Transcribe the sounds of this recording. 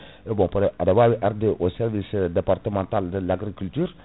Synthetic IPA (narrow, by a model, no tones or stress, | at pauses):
ebɔ̃padabɔiʔɛɾd̪eʔosɛɾvisd̪epart̪əmɑ̃nt̪ald̪əlaɡɾikylt̪yːɾ